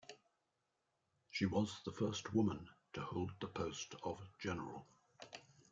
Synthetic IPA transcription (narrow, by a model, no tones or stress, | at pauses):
ʃiwɒzðəfɜˑstwʊmə̃ntʰəhoʊlˠd̪̚ðəpʰəʊstʰəvd͡ʒɛnə̰ɹə̰lˠ